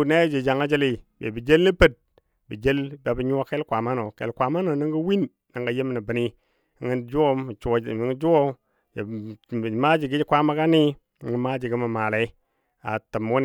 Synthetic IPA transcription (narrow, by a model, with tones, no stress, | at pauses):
ne˦d͡ʒe˨d͡ʒa˨ŋa˦d͡ʒe˦li˨bḛ˨bi˨d͡ʒe˦lni˦pə˦d̚ | bi˨d͡ʒe˦lba˨bi˦ɲu˦a˦ke˦lkʷa˨ma˦no˨kḛ˨lkʷa˨ma˦no˨ni˦ŋɡu˦wi˦n | nə˨ŋɡa˨je˦m˨ni˨bə˨ni˦ | ŋɡi˦d͡ʒu˦o˦˨t͡ʃŋ˦d͡ʒu˦wo˦ | je˨ | ma˦d͡ʒi˨ɡi˦d͡ʒi˦kʷa˦ma˦ka˦ni˦˨ | ŋɡə˦ma˦d͡ʒi˨ɡi˦mə˨ma˨le˨˦ | a̰˨tə˨mu˦n˨